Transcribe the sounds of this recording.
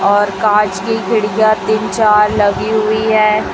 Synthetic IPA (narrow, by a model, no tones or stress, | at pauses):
ɔːɾkãːt͡ʃkikʰɪɽijat̪ɪnt͡ʃaːɾlɐɡiɦʊiɦɛː